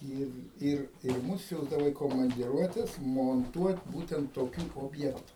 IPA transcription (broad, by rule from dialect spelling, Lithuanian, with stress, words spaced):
ˈiːr ˈɪr ɪr ˈmʊs ˈsʲuːzdɐʋoː iː koːmɐnʲdʲɪˈruɔtʲɛs moːnˈtuɔt ˈbuːtʲɛnt toːˈkʲuː oːbʲˈjæːktʊ